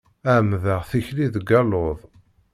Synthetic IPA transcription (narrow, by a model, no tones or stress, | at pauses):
æmðəʁθiçliðɡɑloðˤ